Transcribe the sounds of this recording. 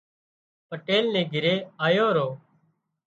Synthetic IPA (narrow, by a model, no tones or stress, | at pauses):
pəʈeːlnẽːɡʱɪɾeːaːjoːɾoː